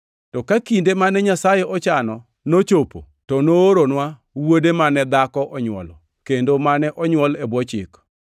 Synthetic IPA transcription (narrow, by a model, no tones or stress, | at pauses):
tɔkakindemanɛɲasajeɔt͡ʃanɔ | not͡ʃopo̰ | tɔnoːɾonwa | wodemanɛd̪akɔʔɔɲwɔ̰lɔ̰ | kendomanɛʔɔɲwɔlebwɔt͡ʃɪ̰k